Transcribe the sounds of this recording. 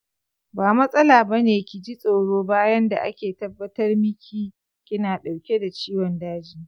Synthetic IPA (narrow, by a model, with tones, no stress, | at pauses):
baː˨mɐ˦sʼɐ˦laː˨bɐ˦neː˨kʲɪ˨d͡ʒi˦sʼoː˨ɽoː˦baː˦jɐ˦nda̰˨ʔa̰˦kʲeː˨tɐ˦bːɐ˦tɐ˦rmɪ˦kʲʰiː˦ | kʲʼɪ˦naː˨ɗa˨wkʲe˦da˨t͡ʃiː˦wɔ˨ndaː˦d͡ʒiː˦˨